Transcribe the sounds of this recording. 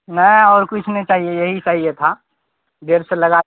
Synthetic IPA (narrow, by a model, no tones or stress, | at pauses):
nɛɪɔːɾkʊt͡ʃʰneit͡ʃaːɦiejɐɦit͡ʃaːɦiet̪ʰa | d̪eːɾseləɡa